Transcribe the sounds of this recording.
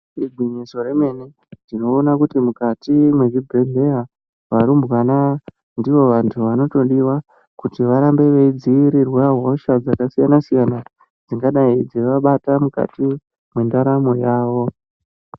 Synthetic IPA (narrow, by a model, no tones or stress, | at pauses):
ibʱiɲiso̞ɾe̞me̞ne̞ | dino̞ːnakutimukatimwe̞ɡibʱeɮe̞a | ʋaɾumbwana | ndiʋo̞ʋantʰuʋano̞to̞ɗiwa | kutiʋaɾambe̞ʋe̞id͡ziiɾirwaɦo̞ʃad͡zakasijanasijana | d͡ziŋɡaɗaid͡zeʋaɓatamuka̰ti | mwendaɾamo̞jaːʋo̞